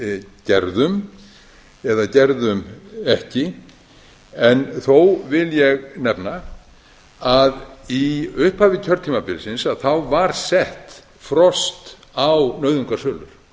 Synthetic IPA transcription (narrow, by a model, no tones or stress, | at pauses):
cɛɾðʏm | ɛðacɛɾðʏmɛhcɪ | ɛnθowvɪljɛɣnɛpna | aðiʏhphaːvɪcʰœɾt̪ʰiːmapɪɾsɪnsaðθawvaɾsɛht̪ | fɾɔst̪ | awnœːɥðʏŋkaɾ̥sœːlʏ̰ɾ̥